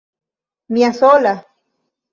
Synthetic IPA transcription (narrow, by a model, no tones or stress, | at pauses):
miasola